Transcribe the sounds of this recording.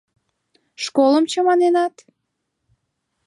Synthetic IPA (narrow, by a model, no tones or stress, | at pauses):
ʃkoləmt͡ɕəmɑnenɑt̪